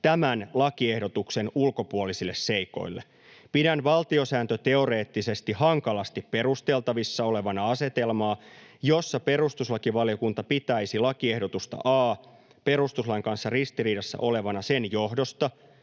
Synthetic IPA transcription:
t̪æmænlɑkie̞hdo̞t̪ukse̞nulko̞puolisilːesse̞iko̞̰ilːe | pidænʋɑlt̪io̞sæːnt̪øt̪e̞o̞re̞ːt̪ːise̞st̪ihɑŋkɑlɑst̪ippe̞ɾust̪e̞lt̪ɑʋisːɑo̞le̞ʋɑnɑɑse̞t̪e̞lmɑːjo̞sːɑpe̞rust̪uslɑkiʋɑljo̞kunt̪ɑpit̪æisilɑkiehdot̪ust̪ɑ̰ʔɑː | pe̞rust̪uslɑiŋkɑnsːɑrist̪iriːdɑsːæ̰ʔo̞le̞ʋɑnɑsenjohdo̞st̪ɑ

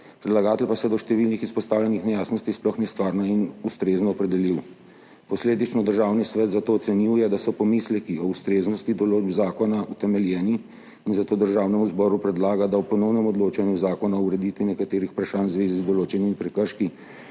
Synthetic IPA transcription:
pɾɛd̪laɡaːt̪ɛlpasɛd̪ɔʃt̪ɛʋilnixispɔst̪aːwlʲɛnixnɛjaːsnɔst̪isplɔxnɛst̪ʋaːɾnainust̪ɾeːznɔːpɾɛd̪ɛliw | pɔsleːd̪it͡ʃnɔd̪əɾʒawnisʋɛt̪zat̪oːt̪sɛniwjɛd̪asɔpɔmislɛkiɔust̪ɾeːznɔst̪id̪ɔloːd͡ʒbzaːkɔnaut̪ɛmɛljɛːniː | nzat̪oːd̪əɾʒaːwnɛmuzbɔɾupɾɛd̪laːɡad̪awpɔnɔwnɛmɔd̪loːt͡ʃanjuzaːkɔnauɾɛd̪it̪ʋinɛkat̪eːɾixpɾaʃaːnzʋeːzizd̪ɔloːt͡ʃɛnimipɾɛkəɾʃki

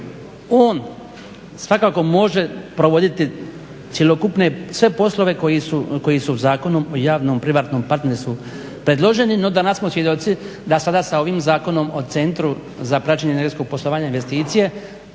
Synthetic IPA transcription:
o̞ːn | sʋakaːko̞mo̞ʒe̞pɾoʋo̞d̪it̪i | t̪sʲjelo̞kupne̞sʋe̞po̞slˠo̞ʋe̞kojisuko̞jisuzaːko̞nomo̞jaːʋnompɾiʋaːt̪no̞ːmpaɾt̪neɾst̪u | pɾe̞d̪lˠo̞ʒe̞nino̞d̪anassmo̞sʋjed̪ot̪si | d̪asad̪asao̞ʋiːmzaːko̞no̞mo̞t̪e̞nt̪ɾu | zapɾat͡ʃeɲeneɡet̪ko̞ɡ̚poslo̞ʋaːɲainʋest̪iːt̪sije

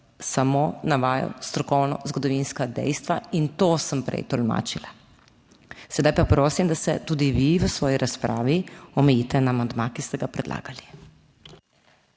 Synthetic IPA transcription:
samoːnaʋaːjɔ̰st̪ɾɔkɔwnɔ̰zɡɔd̪ɔʋinskad̪ɛ̰jst̪ʋaint̪oːsəmpɾɛ̰jt̪ɔlma̰ːt͡ʃila | sɛd̪ajpapɾoːsimd̪asɛt̪uːd̪iʋiʋəsʋɔːjiɾaspɾʔaːʋiɔmɛjiːt̪ɛnaːmand̪mãkist̪ɛɡapɾɛd̪lʔa̰ːɡali

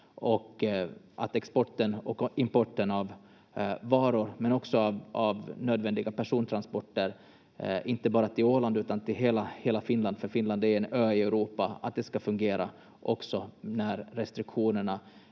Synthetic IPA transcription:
ɔkːʔa̰t̪ɛkspɔʈːənɔkɪmpɔʈːənavː | ɑːɾʊɾmɛnɔksɔavavnøːd̪vɛnd̪ɪɡapæʂuːnt̪ʰɾanspɔʈːəɾ | ɪnt̪əbɑːɾat̪ʰɪloːland̪ʉ̟ːt̪ant̪ɪlɦeːlaheːlafɪnland̪fœɾfɪnland̪æɾɛnøːɪɛʊɾuːpaa̰t̪̚d̪ɛskafɵŋɡeːɾa̰ | ʔɔksɔnæɾːɛst̪ɾɪkɧuːnəɳa

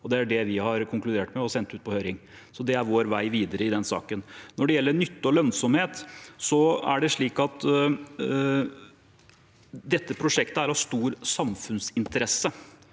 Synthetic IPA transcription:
ɔd̪ɛæɖɛʋɪhɑɾkʰʊŋklʉd̪eːʈmɛɔsɛnt̪ʉːt̪̚pʰɔhøːɾɪŋ | sɔd̪ɛæɾʋoːɾʋæɪʋiːd̪əɾəɪd̪ɛnsɑ̰ːkənnɔɖɛjɛlːənʏt̪ːəɔlœnsɔmheːt̪sɔæ̰ɖɛʂɭiːkɑt̪ | d̪ɛt̪ːəpʰɾʊʂɛkt̪əæɾɑʋst̪uːɾsɑmfʉnsɪnt̪əɾɛsːə

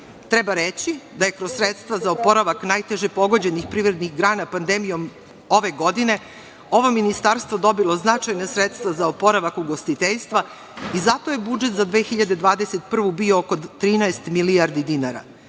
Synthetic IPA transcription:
t̪ɾebaɾet͡ɕid̪aje̞kɾosːɾet̪st̪ʋazaopo̞ɾaʋaknaːjt̪e̞ʒepo̞ɡo̞d͡ʑe̞nixpɾiʋvɾe̞d̪nixɡɾaːnapand̪emijo̞m | o̞ʋe̞ɡo̞d̪ine̞ | o̞ʋo̞minist̪aɾst̪vʋo̞d̪o̞bilo̞znat͡ʃajnasɾet̪st̪ʋazaopo̞ɾaʋakuɡo̞st̪it̪eʎst̪ʋa | izat̪o̞jebud͡ʒe̞t̪zad̪ʋexiʎad̪e̞d̪ʋaːd̪eset̪pr̩ʋubioːko̞t̪ɾiːnaest̪miliaɾd̪id̪inaɾa̰

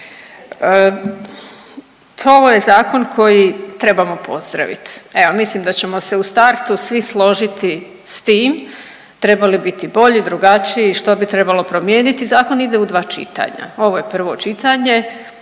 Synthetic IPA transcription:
ə | oʋoje̞zaːko̞nkʰo̞jit̪ɾe̞bamo̞pʰo̞̰zd̪ɾa̰ʋḭt̪e̞ʋo̞mislimd̪at͡ɕe̞mo̞se̞ust̪aɾt̪usʋislˠo̞ʒit̪i | st̪iːm | t̪ɾe̞balibit̪ibo̞ʎid̪ɾuɡat͡ʃiiːʃt̪o̞bit̪ɾe̞balˠo̞pɾo̞mje̞ːnit̪izaːko̞nid̪e̞ud̪ʋaːt͡ʃḭt̪a̰ɲa̰o̞ʋo̞jepr̩ʋo̞̰t͡ʃit̪aɲe̞

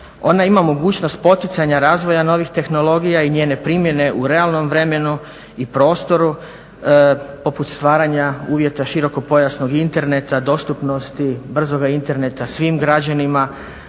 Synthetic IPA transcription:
o̞̰naimamo̞ɡuːt͡ɕno̞st̪̚po̞t̪it̪saɲaɾaːzʋo̞jano̞ʋixt̪e̞xno̞lo̞ɡijaiɲeːne̞pɾimje̞ne̞ʔuɾe̞alˠno̞mʋɾe̞me̞nu | ipɾo̞ːst̪o̞ɾu | po̞put̪st̪ʋaːɾaɲauːʋje̞t̪aʃiɾo̞ko̞po̞jasno̞ɡint̪e̞ɾne̞t̪ad̪o̞ːst̪upno̞st̪ibr̩zo̞ɡaint̪e̞ɾne̞t̪asʋiːmɡɾad͡ʑanima

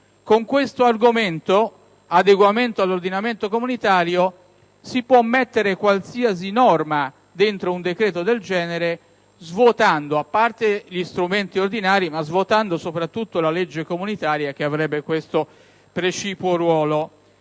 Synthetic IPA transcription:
koŋkwest̪oarɡoment̪o | ad̪eɡwament̪oalːord̪inament̪okomunit̪aːɾjo | sipwɔmːet̪ːeɾekwalsias̬inɔrma | d̪ent̪ɾound̪ekɾeːt̪od̪eld͡ʒɛːneɾe | zvot̪and̪oapːart̪eʎist̪ɾument̪iord̪inaːɾimazvot̪and̪osopɾat̪ːut̪ːolaled͡ʒːekomunit̪aːɾjak̟eavɾɛbːekwest̪o | pɾet͡ʃiːpoɾwɔːlo

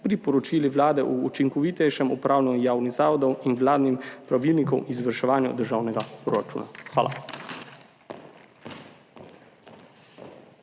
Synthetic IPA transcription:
pɾipɔɾɔt͡ʃiːliʋlaːd̪ɛʔuːt͡ʃiŋkɔʋit̪ɛjʃɛmupɾaːwlɛnujaːwnizaːʋɔd̪ɔwinʋlaːd̪nimpɾaʋiːlnikɔwʔizʋəɾʃɛʋaːnjṵd̪əɾʒaːwnɛɡapɾoɾat͡ʃṵːnʔa̰xʋa̰ːlʔa̰

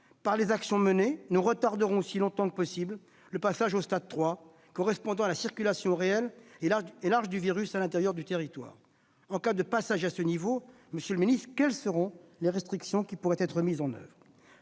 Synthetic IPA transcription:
paʁlezaksjɔ̃mənenuʁət̪aʁd̪əʁɔ̃silɔ̃t̪ɑ̃kəpɔsibl | ləpasaʒost̪ad̪̚t̪χwa | kɔʁɛspɔ̃d̪ɑ̃alasiʁkʲylasjɔ̃ʁeɛl | elaʁʒd̪yviʁysalɛ̃t̪eʁjœʁd̪yt̪eʁit̪wa̰ːʁ | ɑ̃kad̪əpasaʒasənivo | məsjøləminist̪χəkʲɛlsəʁɔ̃leʁɛst̪χiksjɔ̃kʲipuʁɛt̪ɛt̪χəmizɑ̃nœ̰vʁ

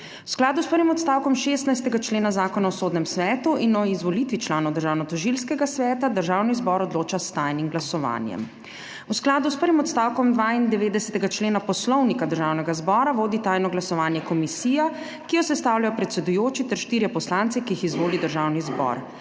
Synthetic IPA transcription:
usklaːd̪uspəɾʋimɔt̪st̪aːwkɔmʃeːst̪najst̪ɛɡat͡ʃleːnazaːkɔnaɔsoːd̪nɛmsʋɛːt̪uʔinɔizʋɔlit̪ʋit͡ʃlaːnɔwd̪əɾʒaːwnɔt̪ɔʒilskɛɡasʋɛːt̪ad̪əɾʒawnizbɔɾɔd̪loːt͡ʃast̪ajnimɡlasɔʋa̰ːnjɛ̰m | usklaːd̪uspəɾʋimɔt̪st̪aːwkɔmd̪ʋaːind̪ɛʋeːd̪ɛsɛt̪ɛɡat͡ʃleːnapɔslɔwnikad̪əɾʒaːwnɛɡazbɔːɾaʋoːd̪it̪ajnɔɡlasɔʋaːnjɛkɔmisiːja | kijɔsɛst̪aːwljajɔpɾɛt̪sɛd̪ujoːt͡ʃit̪ɛɾʃt̪iːɾjɛpɔslant̪sɛkijixizʋoːlid̪əɾʒaːwnizbɔ̰ɾ

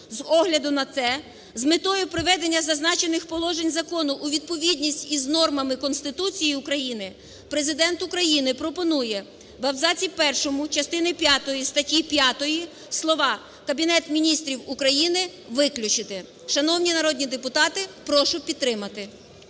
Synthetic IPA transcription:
zɔɦlʲɐd̪ʊnɐt̪sɛ | zmɪt̪ɔjʊpɾɪʋɛd̪enʲːɐzɐznɑt͡ʃe̞nɪxpɔlˠɔʒenʲzɐkɔnʊʔːʋʲid̪̚pɔʋʲidʲnʲisʲtʲiznɔrmɐmɪkɔnst̪ɪt̪ut͡sʲijiʊkɾɐjinɪ | pɾe̞zɪd̪ɛnt̪ʊkɾɐjinɪpɾɔpɔnujɛ | ʋɐwzɑt͡sʲipɛrʃɔmʊt͡ʃɐst̪ɪnɪpʲjat̪ɔjist̪ɐtʲipʲjɑt̪ɔji | slˠɔʋɑ | kɐbʲinɛt̪mʲinʲist̪ɾʲiwʊkɾɐjinɪ | ʋɪklʲʊt͡ʃɪt̪ɪ | ʃɐnɔwnʲinɐɾɔd̪ʲnʲid̪epʊt̪ɑt̪ɪpɾɔʃʊpʲid̪̚ɾɪmɐt̪ɪ

